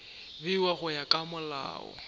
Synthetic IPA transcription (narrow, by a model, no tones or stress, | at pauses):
bɪwaɣʊjakʼamʊla̰ːɔ̰